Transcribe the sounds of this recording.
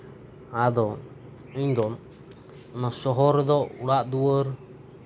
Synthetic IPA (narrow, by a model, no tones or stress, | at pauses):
ad̪ɔ | iɲd̪ɔ | masɔɦɔɾd̪ɔuɽaʔd̪uwəɾ